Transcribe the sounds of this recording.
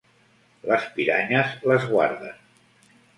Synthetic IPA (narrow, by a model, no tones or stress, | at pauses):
ləspiɾaɲəzləzɣwa̰ɾðə̰n